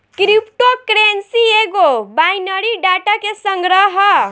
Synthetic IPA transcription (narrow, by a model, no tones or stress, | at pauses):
kɾipʈokɾensieɡobajnəɾiɖaʈakesəŋɡɾəɦə